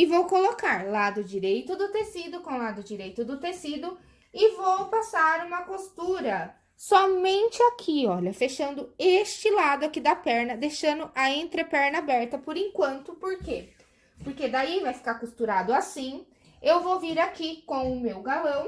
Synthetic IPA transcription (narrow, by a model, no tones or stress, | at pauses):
ɪvowkolokaɾlad̪ʊd͡ʒiɾejt̪ʊd̪ʊt̪esid̪ʊkõw̃lad̪ʊd͡ʒiɾejt̪ʊd̪ʊt̪esid̪ʊ | ɪvowpasaɾũmɐkost̪uɾɐ | sɔmẽnt͡ʃɪakʰiɔʎɐfeʃɐ̃nd̪ʊest͡ʃɪlad̪ʊakid̪ɐpɛɾnɐd̪ejʃɐ̃nd̪ʊʔɐẽnt̪ɾepɛɾnɐabɛɾt̪ɐpoɾẽŋkwɐ̃nt̪ʊpoɾke | poɾked̪aivajfi̥kaɾkust̪uɾad̪ʊasĩ | ewvowviɾakikõw̃ʊmewɡalɐ̃w̃